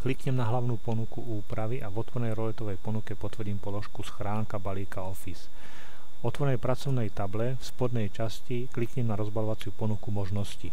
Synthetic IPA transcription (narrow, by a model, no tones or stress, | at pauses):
klikɲɛmnaɦlaʊnuːpɔnukuuːpɾaʋiʔavɔt̪ʋɔɾnɛjɾɔlɛt̪ɔʋɛjpɔnukɛpɔt̪ʋr̩ɟiːmpɔlɔʃkusxɾaːŋkabaliːkaɔfis | vɔt̪ʋɔɾɛnɛjpɾat͡sɔʊnɛjt̪ablɛfspɔd̪nɛjt͡ʃasciklikɲɛmnaɾɔzbalɔʋat͡sɪupɔnukumɔʒnɔsci